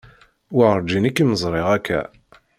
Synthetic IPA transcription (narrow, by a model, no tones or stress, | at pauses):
wəʁɾˤd͡ʒinikːiməzˤɾˤeʁækʰːæ̰